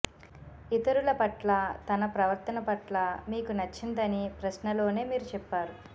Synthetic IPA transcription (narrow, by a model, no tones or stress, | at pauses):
it̪ɐɾulɐpɐʈlɐt̪ɐnɐpɾɐʋɐɾt̪ɐnɐpɐʈlɐmiːkunɐt͡ʃːind̪ɐnipɾɐʃnɐlo̞ːne̞ːmiːɾut͡ʃɛpːaːɾu